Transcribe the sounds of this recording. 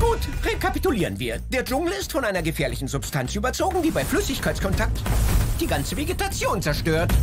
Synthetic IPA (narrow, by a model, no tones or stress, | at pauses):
ɡ̥uːtʁekʰapituliːʁənviːɐd̥eːɐd͡ʒʊŋl̩ɪstfɔnʔaɪnɐɡəfɛːɐlɪçn̩zʊpstʰant͡sʔyːbɐt͡soːɡŋ̩diːbaɪflʏsɪçkʰaɪt͡skʰɔntʰak̚td̥iːɡant͡səveɡetat͡sjoːnt͡sɛɐʃtøːɐt